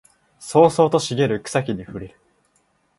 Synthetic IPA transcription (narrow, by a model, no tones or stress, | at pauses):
so̞ːso̞ːt̪o̞ɕiɡe̞ɾɯ̟kɯ̟̥sakʲiɲ̟iɸɯ̟ɾʲiɾɯ̟